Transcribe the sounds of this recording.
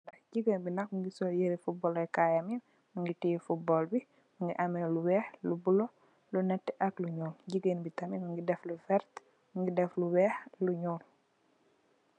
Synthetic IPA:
ɐɟiɡənbinɐkmuŋɡisɔljeɾifubɔːlɛkajamin | muŋɡitijfubɔːlbi | muŋɡiʔɐmeluwɛːxlubulɔ | lunɛtːɛʔɐkluɲuːlɟiɡənbitɐminuŋɡidɛflufɛɾt̪ | muŋɡidɛfluwɛːxluɲuːl

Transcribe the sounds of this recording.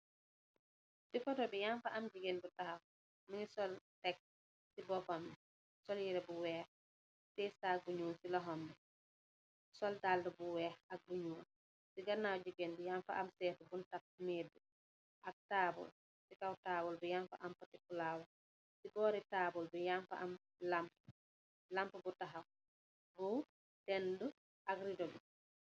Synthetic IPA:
sifɔtɔbɛjamfaʔamd͡ʒuɡɛnbutaha | minisɔltɛk̚ | sibɔfam | sɔljiɾɛbuwɛːh | sɛsaɡuɲuːnsilaɦɔmɛ | sɔldaːldɔbuwɛːhak̚ɡuɲuːn | siɡanawd͡ʒuɡɛndujamfa̰ʔamsɛːfubuntak̚medːu | ʔak̚tabɔ̰l | sikawtaːbɔlbɛjamfa̰ʔampatikulaːwɔ | sibɔːɾɛtaːbɔlbɛjamfa̰ʔam | lamp | lampubɔtaɦaw | bɔ | tɛndu | ʔaɡɾidɔbɛ̰

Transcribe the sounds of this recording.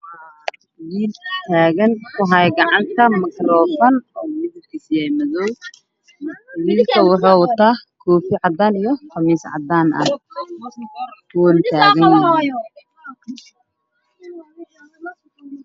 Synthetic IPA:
wiːlt̪ʰaːɣɐnkʰʊɦɐjɡɑʕɑnt̪ʰɐmɐkrɔːfɐnɔːmɪðɪlkʰɪsɪjɛjmɐðɔw | mwiːlkʰɐwɑħɑːwʊt̪ʰaːkʰɔːfɪʕɑd̪aːnijɔkɐmiːsʕɑ̰d̪aːnɐ̰h | wɔːnt̪ʰaːɣɐn

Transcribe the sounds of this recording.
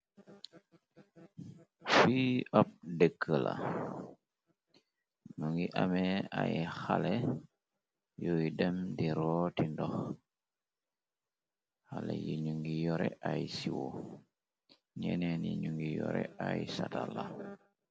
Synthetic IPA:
fiʔap̚dəkʰːəla̰ | nuŋɡiʔamɛajxalɛ | jɔjidɛmdiɾɔtindɔx | xalɛjiɲuŋɡijɔɾɛʔajsiwɔ | ɲɛnɛniɲuŋɡijɔɾɛ̰ajsatala

